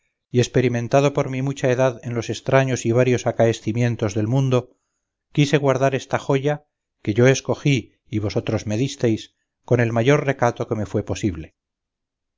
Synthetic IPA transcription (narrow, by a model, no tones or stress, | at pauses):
ie̞spe̞ɾimẽ̞nt̪að̞o̞po̞ɾmimut͡ʃae̞ðaðe̞nlo̞se̞st̪ɾaɲo̞siβ̞aɾjo̞sakaesθimjẽ̞nt̪o̞zðe̞lmũnd̪o̞ | kise̞ɣwaɾðaɾe̞st̪aχo̞ʝa | ke̞ʝo̞e̞sko̞xiː | βo̞so̞t̪ɾo̞zme̞ðist̪e̞js | ko̞ne̞lmaʝo̞rre̞kat̪o̞ke̞me̞fwe̞po̞siβle̞